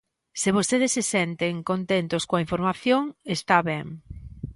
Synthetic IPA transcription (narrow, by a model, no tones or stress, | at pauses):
sɪβ̞ost̪eðesːesɛnt̪eŋkont̪ent̪oskoaiɱfoɾmaθjoŋest̪aβɛŋ